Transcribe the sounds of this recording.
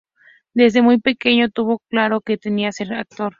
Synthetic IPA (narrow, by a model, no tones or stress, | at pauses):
d̪ez̬d̪emujpekeɲot̪uβoklaɾoket̪eniaseɾak̚t̪oɾ